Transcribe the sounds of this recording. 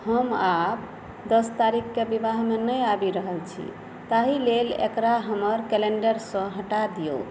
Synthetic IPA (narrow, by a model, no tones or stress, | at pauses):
həmap̚ | d̪əst̪aɾikʰkːebibaɦmenəjabiɾəɦəlt͡ʃʰḭ | t̪aɦilelḛkɾaɦəməɾkɛleɳɖəɾsə̃ɦəʈad̪ijo̰